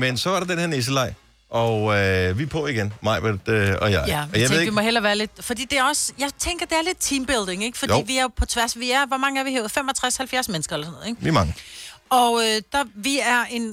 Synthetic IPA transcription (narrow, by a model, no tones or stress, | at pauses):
mensɒ̽ʋɑ̈ɾ̥ɑd̥enheɐ̰nes̬əlɑ̈ɪ̰ | ʔɒøʋipʰɔiɡ̥enmɑ̈ɪb̥ed̥øɒjɑ̈ɪæɒjɑ̈ɪeðˠimɒ̽ɦel̰ɐʋæːɐle̝d̥fɒd̥ḭːd̥e̝ɐɒ̽sjɑ̈ɪt͡sʰeŋɡ̥ɐd̥e̝æɐle̝d̥̚t͡sʰiːmb̥e̝ld̥eŋeɡ̥fɒ̽dḭːʋiæɐpʰɒ̽t͡sʰʋæɐsʋiæɐʋɒmɑ̈ŋəæɐʋieːʊð̩ˠfemɒ̽t͡sʰʁashælfjæɐsmenəsɡ̥ɐelɐsnɔð̩ˠeɡ̥ʋimɑ̈ŋəɒ̽ød̥ɑʋiæɐe̝n